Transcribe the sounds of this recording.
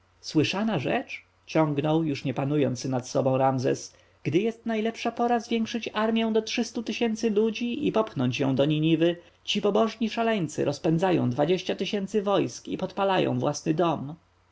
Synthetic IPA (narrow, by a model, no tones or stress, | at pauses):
swɘʂanaʐɛ̰t͡ʂ | t͡ɕɔ̃ŋɡnɔwjuʂɲɛpanujɔnt̪snat̪sɔbɔ̃w̃ɾamzɛ̰s | ɡ̥d̪ɘjɛst̪najlɛpʂapɔɾazvʲjɛŋkʂɘt͡ɕaɾmʲjɛ̃w̃d̪ɔtʂɘst̪ut̪ɘɕɛnt̪sɘlud͡ʑiḭpɔpxnɔɲt͡ɕjɔ̰̃w̃d̪ɔɲiɲivɘ | t͡ɕipɔbɔʐɲiʂalɛɲt̪sɘ̰ɾʔɔspɛnzajɔ̰̃w̃d̪vad͡ʑeɕt͡ɕat̪ɘɕɛnt̪sɘvɔjskipɔt̪palajɔ̰̃w̃vwasnɘd̪ɔm